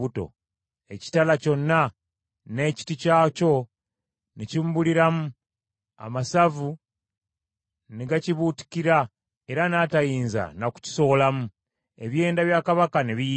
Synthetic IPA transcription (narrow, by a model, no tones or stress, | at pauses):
uto̞̰ | e̞ci̥talaco̞nːa | ne̞ːci̥ticaːco̞ | necimbuliɾamu | a̰masavu | neɡaciβuti̥kiɾa | e̞ɾanatajiːnza̰naku̥ci̥so̞lamu | e̞βje̞ːndaβjaːkaβakaneβi